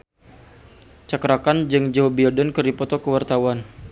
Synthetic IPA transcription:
t͡ʃakɾakand͡ʒɨŋd͡ʒawbiɔdənkəɾipɔt̪ɔkəwart̪awan

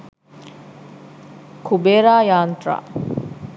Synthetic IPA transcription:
kʰubeːɾaːjaːnt̪ɾa̰ː

